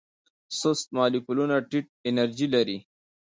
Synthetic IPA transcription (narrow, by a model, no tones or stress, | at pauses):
sost̪̚mɑːlikulunaʈiʈ̚ɪnɐɾd͡ʒilaɾi